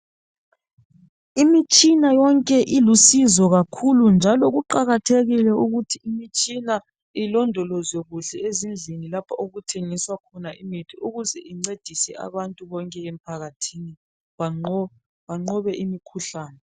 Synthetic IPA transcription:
imit͡ʃʼinajɔŋkʼɛʔilusizɔɣakʰulund͡ʒʱalɔɣuǃaɣatʰeɣilɛuɣutʰiimit͡ʃʼina | ilɔndʱɔlɔzeɣuɬɛezind͡ɮʱinilapʰaoɣutʰeŋiswakʰɔnaʔimitʰiuɣuzɛʔiŋ͡ǀed̥ʱisɛ̰ʔa̰βantʼuβɔŋkʼɛem̩pʰaɣatʰini | βaɔ | βaŋ͡ǀɔβɛʔimikʰuɬaːnɛ

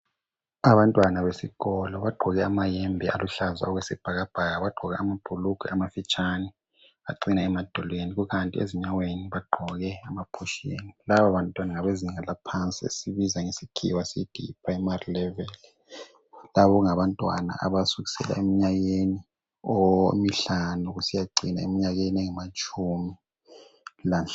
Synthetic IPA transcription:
aβantʼwanaβesiɣɔlɔβaɡ͡ǃʱɔɣɛamajɛmbʱɛʔaluɬaza̰ɔɣwɛsib̥ʱaɣab̥ʱaɣaβaɡ͡ǃʱɔɣɛamab̥ʱuluɡ̥ʰʱwɛ̰amafit͡ʃʼanɛ | a̰ǀinaɛmad̥ʱɔlweniɣuɣantʼiḛziɲaweniβaɡ͡ǃʱɔɣɛamapʰɔʃḛnilaβaβantʼwanaŋaβeziniŋalapʰant͡sʼiḛsiβizaŋesiɡ̥ʰḭwasid̥ʱḭpʰraimarilɛvɛl | laβɔŋaβantʼwa̰na̰ʔa̰βasuɣi̥sɛ̰la̰emiɲaɣeni | omiɬanuɣusijaǃinaemiɲaɣenɛŋamat͡ʃʼumi | lanɬa

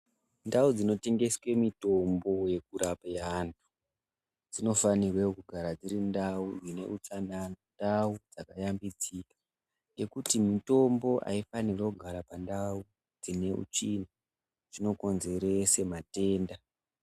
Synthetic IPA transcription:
ndaud͡zino̞te̞ŋɡe̞swe̞mito̞mbo̞je̞k̚uɾapaantʰu̥ | d͡zino̞fanirwekuɡʱaɾad͡ziɾindaujine̞̰ut͡ʂananndaud͡zakajambid͡zikḁ | je̞kutimito̞mbo̞ʔa̰ifanirwakuɡʱaɾapandau | d͡zine̞ʔṵt͡ʃina | ʐino̞ko̞nze̞ɾe̞se̞mate̞ːnda

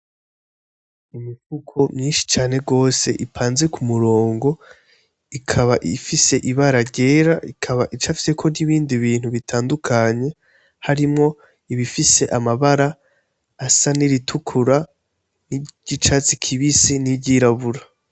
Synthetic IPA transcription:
imifukʰomɲiːnʃi̥t͡ʃaːne̞ɡo̞ːse̞ʔipʰaːnze̞kumuɾo̞ːŋɡo̞ | ikʰaβaʔifise̞ʔiβaɾaɟe̞ːɾaikʰaβaʔit͡ʃafi̥sekʰo̞niβiːndiβiːn̥huβitʰaːndukʰaɲe̞ | haɾimŋo̞ | iβifise̞ʔamaβaɾaː | saniɾitʰukʰuɾa | niɟ̥it͡ʃat͡sikʰiβisinibɟiɾaβuɾa

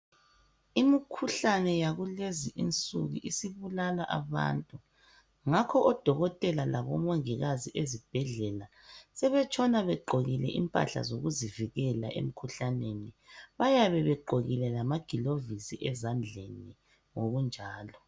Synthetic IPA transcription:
imikʰuɬanɛjaɣuleziʔint͡sʼṵɣḭʔisiβulalaʔaβa̰ntʼu | ŋakʰɔʔɔd̥ʱɔɣɔtʼɛlalaβɔmoŋiɣaziʔezib̥ʱɛɮɛla | sɛβɛt͡ʃʼʰɔnaβɛɡ͡ǃʱoɣilɛ̰ʔḭmpʼa̰ɬa̰zoɣuziviɣɛla̰ʔḛm̩kʰuɬaneniβajaβɛβɛɡ͡ǃʱoɣilɛlamaɡ̥ʱilovisiʔɛzand͡ɮʱḛni | ŋoɣund͡ʒʱaːlɔ

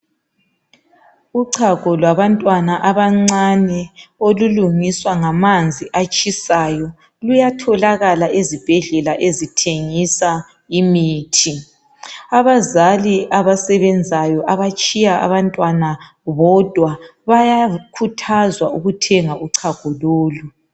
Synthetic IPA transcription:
uǀʰaɣʱɔlwaβantʼwanaʔaβaŋ͡ǀanɛoluluŋiswaŋamand͡zʱiʔat͡ʃʼisajɔ | lujatʰɔlaɣalaʔezib̥ʱɛɮɛlaʔezitʰeŋisa | imiːtʰi | aβazaliʔaβasɛβɛnd͡zʱajɔʔaβat͡ʃʼijaʔa̰βantʼwana | βɔd̥ʱwaβajakʰutʰazwauɣutʰɛŋaʔuǀʰaɡ̥ʱɔloːlu

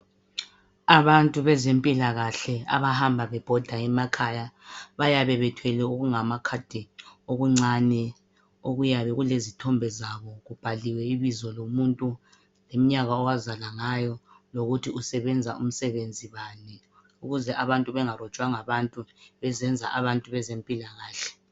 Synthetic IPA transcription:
aβantʼuβɛzempʼilaɣaɬɛa̰βahambʱaβɛb̥ʱɔd̥ʱaɛmakʰajaβajaβɛβɛtʰwɛlɛuɣuŋamakʰad̥ʱɛoɣuŋ͡ǀanɛ | oɣujaβɛɣulezitʰɔmbʱɛzaβɔɣub̥ʱaliwɛiβizɔlomuntʼu | lem̩ɲaɣaɔwazalaŋajɔloɣutʰiusɛβɛnd͡zʱaṵm̩sɛβend͡zʱiβanɛ | uɣuzɛʔaβantʼuβɛŋarɔ̥t͡ʃʼwaŋaβantʼuβɛzɛnd͡zʱa̰ʔaβantʼuβɛzempʼilaɣaːɬɛ̥

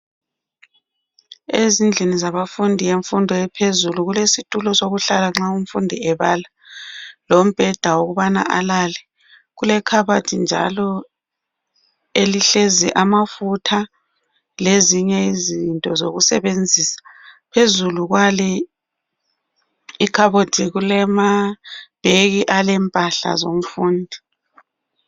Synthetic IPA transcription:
ezind͡ɮʱenizaβafundʱijeɱfundʱɔjɛpʰezuluɣulesitʼulɔsoɣuɬalaŋ͡ǁauɱfundʱiɛβala | lom̩b̥ʱɛd̥ʱawoɣuβana̰ʔa̰lalɛ | ɣulɛkʰaβatʰind͡ʒʱa̰lɔ | eliɬeziʔamafutʰa | leziɲɛizintʼɔzoɣusɛ̰βend͡zʱisḁpʰezuluɣwalɛ | ikʰaβotʰiɣulɛmab̥ʱeɣiʔalɛmpʼaɬa̰zom̩fuːndʱi

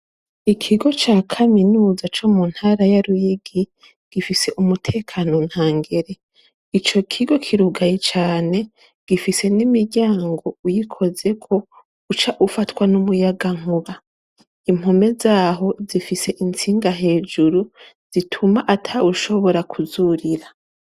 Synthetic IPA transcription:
ikʰiɡo̞t͡ʃaːkʰaminuːzat͡ʃomun̥haɾajaɾujiɡi | ɡ̥ifise̞ʔumutʰe̞ːkʰano̞n̥haːŋɡe̞ɾe̞ | it͡ʃo̞kʰiɡo̞kʰiɾuɡajet͡ʃaːne̞ | ɡ̥ifise̞nimiɟaːŋɡo̞ujikʰo̞ze̞kʰo̞ | ut͡ʃaʔufatwanumujaɡaŋ̥uβa | im̥home̞zaːɦo̞zifise̞ʔint͡siːŋɡaɦe̞ːd͡ʒuɾu | z̥itʰumaʔatʰauʃo̞βo̞ɾakʰuzuɾiɾa

